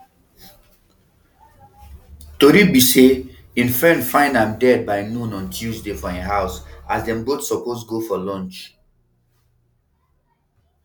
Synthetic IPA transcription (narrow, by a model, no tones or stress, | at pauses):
toɾibise | ĩnfɹɛ̃ndfãɪ̃nãmdɛd̚baɪnũnɔ̃ntʰuzdefɔɛ̃nɦaʊsasdɛ̃mbotsɔposɡofɔlɔ̃nt͡ʃ